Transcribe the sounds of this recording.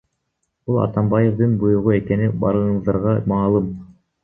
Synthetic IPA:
b̥ulˠɑ̰t̪ɑmbɑje̞vd̪ɯnbujuʁue̞ke̞nibɑ̰ɾɯɴɯzd̪ɑɾʁɑmɑːlˠɯm

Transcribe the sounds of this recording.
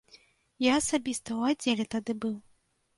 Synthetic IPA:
jaːsabʲist̪ɐwadd͡zʲːelʲɛt̪ad̪ɨbɨw

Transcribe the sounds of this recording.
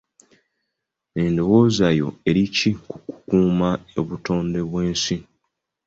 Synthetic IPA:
endo̞wo̞ːzajo̞̰e̞ɾicikuku̥kuːmaḛβuto̞ːnde̞βwe̞ːnsi

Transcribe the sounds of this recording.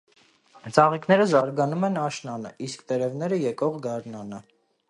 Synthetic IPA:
t͡sʰɑʁiknɛɾəzɑɾɡɑnumɛnɑʃnɑnə̰ʔiskt̪ɛɾɛvnɛɾəjɛkɔʁɡɑɾnɑnə

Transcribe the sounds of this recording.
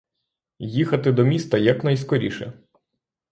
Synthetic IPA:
jixɐt̪ɪd̪ɔmʲist̪ɐjɐknɐjskɔɾʲḭʃɛ̰

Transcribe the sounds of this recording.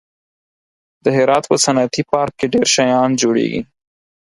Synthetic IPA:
d̪̥əɦɪɾɑːt̪pəsanat̪ipɑɾkːeɖeɾʃajɑnd͡ʒoɽḛɡḭ

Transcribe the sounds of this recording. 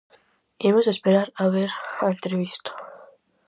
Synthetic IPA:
emosespeɾaɾaβeɾant̪ɾeβist̪o̥

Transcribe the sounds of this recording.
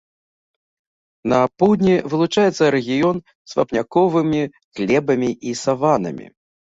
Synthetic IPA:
nɐpuwd̪nʲivɨlˠut͡ʂajɛt̪sːɐɾɛɣʲijɔn | sva̰pnʲakɔvɨmʲi | ɣlʲɛbɐmʲiʔisavanɐ̰mʲḭ

